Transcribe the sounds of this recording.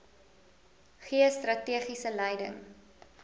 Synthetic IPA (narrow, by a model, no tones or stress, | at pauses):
χiəstrɐtiəχisəlɛjdə̰ŋ